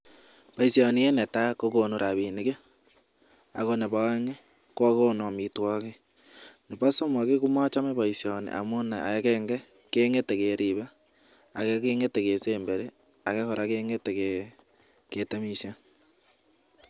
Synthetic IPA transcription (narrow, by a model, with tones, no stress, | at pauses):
pa˨i˨sja˨ni˨je˦ne˨ta˦ko˦ko˨nu˨ɾa˨βi˨ni˦ke˦ | a̰˨ko˦ne˨βa˨e˦ŋe˦ | ko˦ko˦no˨mitwɔ˦ke˦ | ne˨pa˦so˦ma˨ke˦ku˦ma˦t͡ʃa˦me˦βa˨i˨sja˨nḭʔa̰˨mo˦ne˨a̰˨e˦keŋɡe˦ | keː˦ŋe˦te˨ke˨ɾiβa˦ | a̰˨ke˦keː˦ŋe˦te˨ke˨seːmbeɾe˦ | a˨ke˦ko˨ɾʔakeːŋe˦teke | ke˨ta˦misa˦